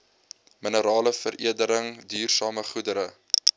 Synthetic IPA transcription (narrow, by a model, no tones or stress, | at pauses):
mənəɾɑːləfərʔiədəɾəŋdyːrsɑːməχudəɾə